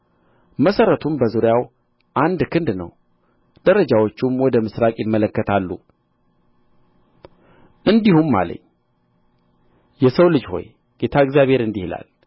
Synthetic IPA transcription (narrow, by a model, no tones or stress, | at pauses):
məsəɾət̪ʰumbəzuɾjaw | ʔand̪kʰɨnd̪nə̰w | d̪̥əɾəd͡ʒawo̞t͡ʃːumwɔd̪əmɨsɾakʼjɪmːələkːət̪ʰalːṵ | ʔɨnd̪ihumːa̰lə̰ɲː | jɛsəwlɨd͡ʒho̞̰j | ɡ̥e̞t̪ʰaɨɡzjaβhe̞ɾɨnd̪ihla̰l